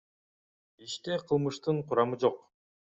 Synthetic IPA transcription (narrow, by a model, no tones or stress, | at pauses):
iʃt̪e̞qʰɯlˠmɯʃt̪ɯɴqʰʊɾɑmɯd͡ʒo̞q